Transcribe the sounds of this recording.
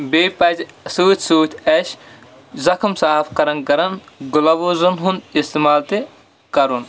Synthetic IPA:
beːpɐt̪suːt̪ʰʲsuːt̪ʰʲɐʃ | zɐkʰɐmsaːfkɐɾɐnkɐɾɐn | ɡulɐʋuzunɦund̪ist̪imaːlt̪i | kɐɾun

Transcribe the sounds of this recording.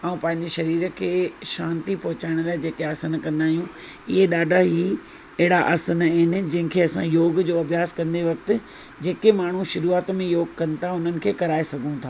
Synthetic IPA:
aːũpɐ̃ɦɪ̃ɲd͡ʑeʃɐɾiːɾəkʰeːʃãːnt̪ipɐɦʊt͡ɕaːɪɽ̃ʊlaːɪd͡ʑeːkeaːsənkɐ̃nd̪aːɦijũ | ɪɦeɗaːɖʱaɦi | ɛɦɪɽaʔəːsənɦɪnɪ̆d͡ʑɐ̃ɦɪ̃kʰeɐsãjoːɡd͡ʑoːɐʋjaːskɐ̃nd̪eʋɐk̚t̪ɪ̆ | d͡ʑeːkemaːɳ̤ũʃʊɾuːaːt̪mẽjoːɡkɐnɪ̆t̪ʰaʊn̤ənɪ̆kʰeːkɐɾaːesɐɡʱũt̪ʰaː

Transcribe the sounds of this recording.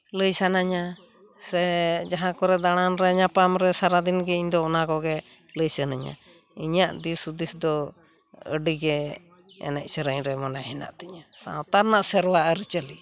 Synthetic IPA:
ləjsanaɲa | sɛd͡ʒaɦãkɔɾɛd̪aɽ̃anɾɛɲapamɾɛsaɾad̪inɡɛiɲd̪ɔɔnakɔɡɛ | ləjsanaɲa̰ | iɲaʔd̪isud̪isd̪ɔ | ə̰ɖiɡɛ | ɛ̰nɛc̚səɾəɲɾɛmɔnaɦɛna̰ʔt̪ɛɲasa̰wt̪aɾnaʔsɛɾwaʔəɾit͡ʃəli

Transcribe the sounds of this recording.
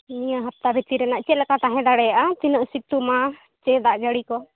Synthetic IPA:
nijaɦap̚t̪abʱɛt̪iɾɛnaʔt͡ʃɛlɛkat̪aɦɛ̃d̪aɽɛjaʔat̪inəʔsit̪uma | t͡ʃɛd̪aʔd͡ʒəɽikɔ

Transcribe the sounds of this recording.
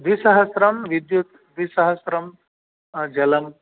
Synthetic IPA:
d̪ʋisɐɦɐsɾɐmʋid̪jut̪ | d̪ʋisɐɦəsɾɐm | d͡ʒɐlɐm

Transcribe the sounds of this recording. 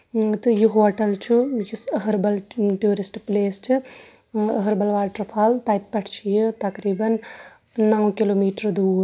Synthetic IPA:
t̪ɨjuɦoɐʈɐlt͡ʃujusɐɦɐɾbɐlʈjuːɾisʈpleːst͡ʃɨ | ɐɦɐɾbɐlʋaːlʈɾɐpʰaːlt̪ɐjt̪̚pɐʈʰt͡ʃʰijɨt̪ɐkɾiːbɐnː | awkiloːmiːʈɐɾd̪uːɾ

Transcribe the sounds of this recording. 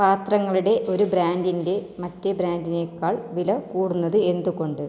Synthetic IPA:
paːt̪rɐŋːɐɭuɽe̞ʔo̞ɾubɾaːndinde̞mɐtːebɾaːndinekːaːɭʋilɐkuːɽunːɐðɨe̞nd̪uko̞ɳɖɨ

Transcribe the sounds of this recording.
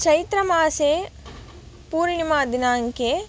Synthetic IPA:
t͡ʃʰɐjt̪ɾɐmaːseː | puːɾɳimaːd̪inaːŋkeː

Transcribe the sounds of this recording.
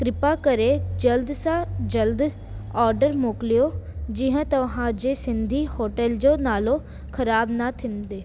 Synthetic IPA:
kɾɪpakəɾed͡ʒəld̪sãd͡ʒəld̪ | ɔːɾɖəɾmoːklijod͡ʒɪɦãt̪ɐʋɦãd͡ʒesɪ̃nd̪ʱihoːʈɛld͡ʒoːnaːlõ | kʰɐɾaːbnat̪ʰɪ̃nd̪eː

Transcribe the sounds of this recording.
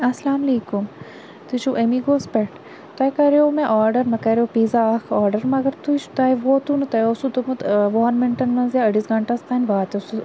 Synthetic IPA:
ɐslaːmɐleːkum | t̪ut͡ʃuʔemiɡoːspeʈ | t̪ɐjkɐɾeomeʔaːɾɖɐɾmɐkɐɾeopiːzakaːɾɖɐɾmɐɡɐɾt̪ut͡ʃt̪ɐjʋot̪unɨt̪ɐjosut̪umɨt̪ʋoɐnmɪɳʈɐnmɐnzjaɐɽisɡɐɳʈɐst̪ɐːnʲʋaːt̪ʲesu

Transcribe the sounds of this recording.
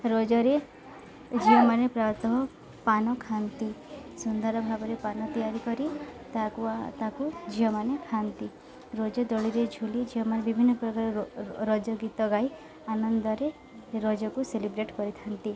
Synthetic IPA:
ɾɔd͡ʒɔɾe | d͡ʒiɔmanepɾaɾt̪ɔɦɔ | panɔkʰant̪isund̪aɾɔbʱabɔɾepanɔt̪ijaɾikɔɾit̪kut̪akud͡ʒiɔmanekʰant̪i | ɾɔd͡ʒɔd̪ɔɭiɾed͡ʒʱulid͡ʒiɔmanebibʱinːɔpɾɔkaɾɔɾɔd͡ʒɔɡit̪ɔɡaj | anɔnd̪ɔɾe | ɾɔd͡ʒɔkuselibɾeʈkɔɾit̪ʰant̪i

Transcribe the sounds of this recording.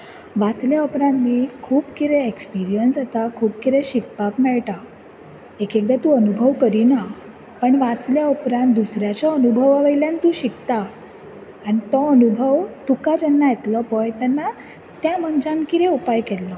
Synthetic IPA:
ʋat͡sljaupɾãnt̪ːiːkʰuːbkiɾɛekspiɾijənsat̪akʰuːpkiɾɛɕikpakmɛɭʈa | ekek̚d̪at̪ũənubʱəʋkəɾina | pəɳʋat͡sljaupɾãnt̪̚d̪usɾjat͡ɕɔənubʱəʋaʋəjljant̪ũːɕikt̪aː | nit̪ɔənubʱəʋt̪ukad͡ʑɛnːajet̪lɔpɔjt̪ɛnːa | t̪jãmənd͡ʑãmkiɾɛupajkɛlːɔ

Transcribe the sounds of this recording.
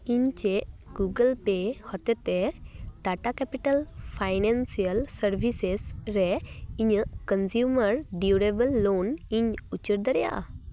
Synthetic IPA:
iɲt͡ʃeʔɡuɡəlpehɔt̪ɛt̪ɛʈaʈakɛpiʈəlpʰajnansiəlsəɾbʱisesɾɛiɲəʔkənsjuməɾɖiuɾebəlːoniɲut͡ʃəɾd̪əɾɛja̰ʔa̰

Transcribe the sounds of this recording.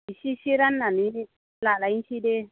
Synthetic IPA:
iʃiʃiɾanːanii | lalainʃide

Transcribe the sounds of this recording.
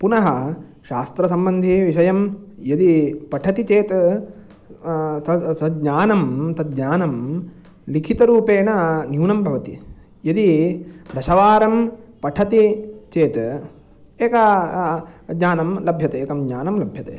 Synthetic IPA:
punɐɦɐʃaːst̪ɾɐsɐmbɐnd̪ʱiʋiʃɐjɐmjɐd̪ipɐʈʰɐt̪it͡ʃeːt̪ | ɐɐɲaːnɐmt̪ɐt̪̚ɲaːnɐm | likʰit̪ɐɾuːpeːnɐnjuːnɐmbʱɐʋɐt̪ḭ | jɐd̪id̪ʱɐʃɐʋaːɾɐmpɐʈʰɐt̪it͡ʃeːt̪ | eːkɐ | d̪ɲaːnɐmlɐbʱjɐt̪eːkɐmɲaːnɐmlɐbʱjɐt̪ḛː

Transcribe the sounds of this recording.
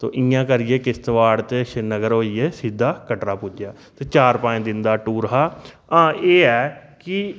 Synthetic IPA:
t̪o̰ːʔɪãːkəɾieːkɪst̪ʋaːɽt̪eʃɪnəɡəɾɦoːieːsiːd̪ːaːkəʈɾaːpʊd͡ʒjaː | t̪eːt͡ʃaːɾpãːẽːd̪ɪnd̪aːʈuːɾɦaː | ãːeːɛːkɪ

